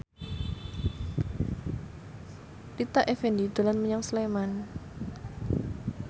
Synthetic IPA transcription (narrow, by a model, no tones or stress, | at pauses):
rit̪aʔefendid̪̥o̤lanməɲaŋsleman